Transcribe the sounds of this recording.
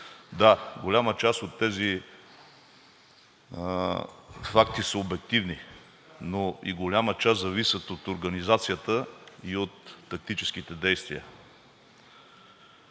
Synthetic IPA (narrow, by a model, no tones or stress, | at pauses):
d̪aɡolʲamət͡ʃast̪ot̪ːɛzi | fak̚t̪isəobɛk̚t̪ivni | noḭɡolʲamət͡ʃaszɐvisʲət̪ot̪oɾɡɐnizat̪sijət̪əiot̪ːɐk̚t̪it͡ʃɛsk̟it̪ɛd̪ɛjst̪vḭə̰